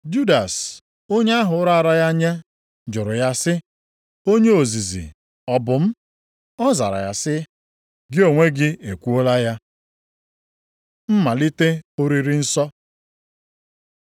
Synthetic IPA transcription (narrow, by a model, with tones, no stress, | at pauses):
d͡ʒu˦da˨s | o˦ɲe˦a˦ɦʊ˨˦ʊ˦ɾa˦a˨ɾa˦ja˦ɲa˦ | d͡ʒʊ˨ɾʊ˨ja˦sɪ˦ | o˦ɲe˦o˨zi˨zḭ˨ | ɔ˨bʊ˨m̩˦ | ɔ˦za̰˨ɾa̰˨ja˨sɪ˦ | ɡɪ˦o˨ŋʷe˦ɡɪ˦e˨kʷu˦o˦la˦ja˦ | m̩˦ma˨li˦te˦o˦ɾi˦ɾi˦n̩˦sɔ˦